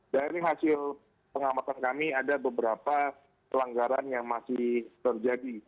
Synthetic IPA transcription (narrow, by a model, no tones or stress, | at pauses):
daɾiɦasɪl | pəŋamat̪ankamiadabəbəɾapa | pəlaŋɡaɾanjaŋmasɪht̪ərd͡ʒadi